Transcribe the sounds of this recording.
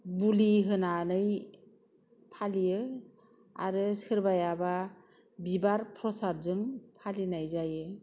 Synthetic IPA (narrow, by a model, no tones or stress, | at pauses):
buliɦɯnanɯj | pʰalijɯ | a̰ɾɯsɯɾbajaba | bibaɾpʰɾɔsaɾzɯŋpʰalinajzajɯ